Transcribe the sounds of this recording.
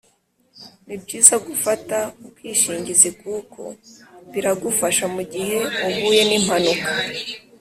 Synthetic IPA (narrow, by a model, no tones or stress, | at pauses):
nibɟiːzaɡufatauwiːʃiːɲɟizikukʰo̞̰βiɾaɡufaʃamuɟihe̞uβuːje̞nim̥hanuka